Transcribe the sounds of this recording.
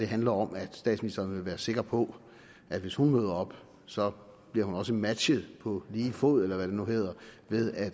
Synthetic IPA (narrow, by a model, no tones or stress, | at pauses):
d̥e̝ɦænlɐɒ̽mæd̥sd̥ɛ̰ːdsminisd̥ɐnʋe̝ʋæːɐse̝ɡ̥ʁɐpʰɒ̽ | ʔæ̥ʋe̝shunmøðˠɐɒ̽b̥ | sɒ̽ | b̥liɐ̰ɦunɒ̽s̬əmæd̥ɕəð̞̩ˠpʰɒ̽liːfo̰ð̰ˠelɐʋæɾ̥e̝nuɦe̝ːð̞̰ˠɐʋe̝ðˠæ̥